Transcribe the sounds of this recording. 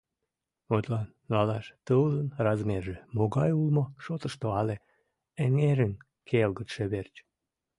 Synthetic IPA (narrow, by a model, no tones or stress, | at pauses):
ot̪lɑnːɑlɑʃt̪əwlənrɑzmerʒemoɣɑjulmoʃot̪əʃt̪oɑle | eŋeɾən | kʰelɣət̪ʃeβert͡ɕ